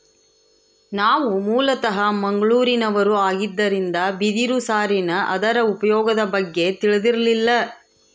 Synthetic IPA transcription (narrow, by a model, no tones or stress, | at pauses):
naːʋumuːlɐt̪ɐɦɐmɐŋɡɐɭuːɾinɐʋɐɾuaːɡid̪ːɐɾind̪ɐbid̪iɾusaːɾinɐʔɐd̪ɐɾɐupɐjɔːɡɐd̪ɐbɐɡːe̞t̪iɭɐd̪iɾɐlilːɐ